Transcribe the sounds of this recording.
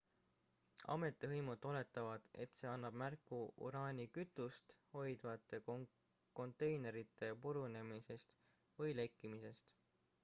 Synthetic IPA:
ɑ̰me̞t̪ˑːeɦɤjmud̪o̞le̞t̪ːˑɑvɑd̪̥e̞̰t̪se̞ːɑnːɑb̥mærkːuṵɾɑːnʲikyt̪ːˑust̪ho̞jd̪vɑt̪ːˑe̞ | ko̞nt̪ːˑe̞jne̞ɾit̪ːˑe̞puɾune̞mise̞st̪ | vɯjle̞kːimise̞st̪

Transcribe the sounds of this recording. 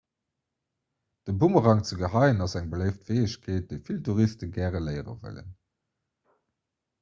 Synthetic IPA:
d̥əbuməʁɑŋt͡səɡəɦɑɪənɑzæŋbələɪftv̥eɪəɕkʰeːt̚d̥eɪfiltuʁistəɡæːʁəlɜɪʁə̰və̰lə̰n

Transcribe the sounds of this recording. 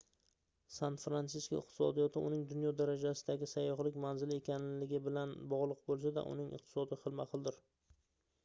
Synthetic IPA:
sanfɾansɪsko̰ɪ̰q̚t̪ʰɪ̥sɒ̰d̪ijɒt̪ʰɪʊnɪŋd̪ʊnjɒd̪aɾad͡ʒasɪd̪aɡʲɪsajːɒχlˠɪkʲmanzɪle̞kʲanlɪɡʲɪbɪlanbɒʁlˠʊq̚bolˠsad̪a̰ʔʊ̰nɪŋɨ̰qt̪ʰɪ̥sɒd̪ɪχɨlˠmaqʰɨlˠd̪ɪɾ

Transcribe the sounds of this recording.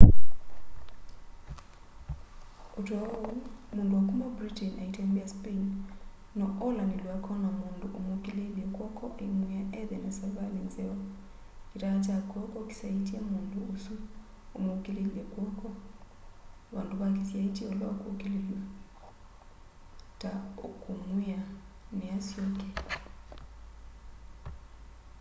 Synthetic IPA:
utɔɔumunduakumabɾitɛnaitambiaspen | nɔʔɔlanilwakʰɔnamunduʔomokileliekwɔkʰɔʔeŋwiaʔɛðɛnasɛvalinzɛɔ | iɾat͡ʃakɔkɔki̥saitiamunduosu | omokilelɛkwɔkɔ | βanduβakisiaitiɔlwa̰okukilelwa | taokumwianɛasjɔkɛ

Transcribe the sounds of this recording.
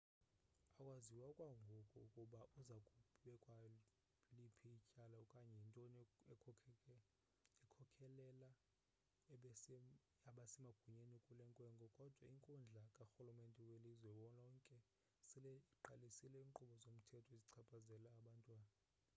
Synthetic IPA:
akʼwaziwakʼwaŋɡʱɔkʼɔkʼuɓaʔuzakʼuɓɛkʼwa | lipʰiicʼalaukʼaɲɛintʼɔnɛ | ɛkʰɔkʰɛlɛla | aɓasɛmaɡ̥ʱuɲenikʼulɛŋkʼwɛŋɡʼʱɔkʼɔd̥ʱwaiŋkʼund͡ɮʱakʼaxulumentʼɛwelizwɛɓɔnɔŋkʼɛ | silɛiǃalisilɛiŋǃuɓɔzom̩tʰɛtʰɔiziǀʰapʰʼazɛlaːɓantʼwaːna

